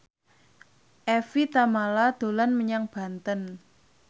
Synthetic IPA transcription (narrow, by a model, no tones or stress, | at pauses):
ʔɛfit̪amalad̪̥o̤lanməɲaŋb̥a̤nt̪ən